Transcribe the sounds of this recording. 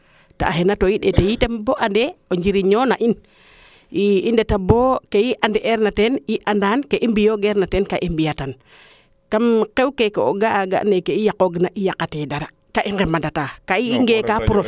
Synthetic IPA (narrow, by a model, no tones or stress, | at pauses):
ta̰ːɦenatojiɗetejitemboʔandeoɲd͡ʒiɾiɲonaʔin | iːndetabokejiʔandeʔeɾnateniʔandankeʔimbijoɡeɾnatenkaʔimbijatan | kamkewkekeoɡaːɡa̰ʔnekeijakoɡnaʔijakatedaɾa | kaʔiŋɡemandatakaiŋɡekapuɾof